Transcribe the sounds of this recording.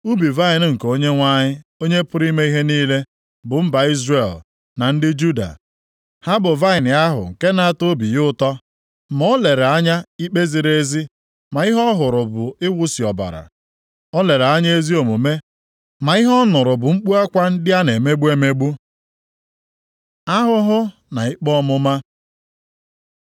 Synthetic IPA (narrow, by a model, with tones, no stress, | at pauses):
u˦bi˨va˦ɪ˨n˨ŋ̩˨ko˦ɲe˦ŋʷa˦ɲɪ˦o˦ɲe˦pʊ˦ɾi˦me˦i˦ɦe˦niː˦le˦ | bʊ˨m̩˦ba˨i˦zre˨l | na˨n̩˦dɪ˦d͡ʒu˦da̰˨ | ha˦bʊ˨va˦ɪ˨n˨a˦ɦʊ̰˨ŋ̩˨ke˦na˦a˦to˦bi˨jʊ˦ʊ˦tɔ˦ | mɔ˦ɔ˦le˨ɾe˨a˦ɲa˦i˦k͡pe˦zi˨ɾe˦zi˦ | ma˨i˦ɦɔ˦ɦʊ˨ɾʊ˨bʊ˨ɪ˦wʊ˦si˨ɔ˨ba̰˨ɾa̰˨ | ɔ˦le˨ɾe˨a˦ɲa˦e˦zi˦o˨mu˨me˦ | ma˨ɪ˦ɦɔ˦nʊ˨ɾʊ˨bʊ˨ŋ͡m̩˦k͡pu˦a˦kʷa˦n̩˦dɪ˦a˦ne˨me˦ɡ͡bu˦e˦me˦ɡ͡bu˦ | a˦ɦʊ˦ɦʊ˦ | na˨i˦k͡pɔ˦mʊ˦ma˦